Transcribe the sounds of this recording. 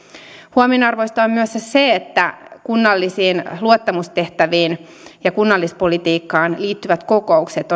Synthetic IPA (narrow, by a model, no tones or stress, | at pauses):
huominɑrʋoist̪ɑommyøsseet̪ːækunːɑlːisiːnluot̪ːɑmust̪e̞ht̪æʋiːn | jɑkunːɑlːispolit̪iːkːɑːnliːt̪ːyʋæt̪kokoukset̪